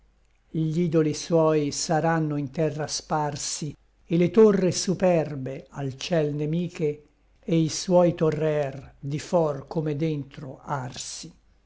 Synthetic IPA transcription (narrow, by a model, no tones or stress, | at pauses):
ʎiːd̪oliswɔːjsaɾanːoint̪ɛrːasparsi | elet̪orːesupɛrbealt͡ʃɛlnemiːke | eiswɔjt̪orːɛrd̪ifɔrkomed̪ent̪ɾoarsi